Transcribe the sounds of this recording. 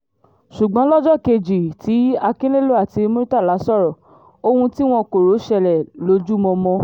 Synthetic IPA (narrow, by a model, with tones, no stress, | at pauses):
ʃu˨ɡ͡bɔ̃˨˦lɔ˦d͡ʒɔ˦˨ke˧d͡ʒi˨ti˨˦a˧kĩ˦le˦lo˦a˦˨ti˧mo˦ɾi˦ta˦˨la˨˦sɔ˦˨ɾɔ˨ | o˧hũ˧ti˦w̃ɔ̃˧ko˨ɾo˨˦ʃɛ˧lɛ˨lo˨˦d͡ʒu˦mɔ̃˧mɔ̃˧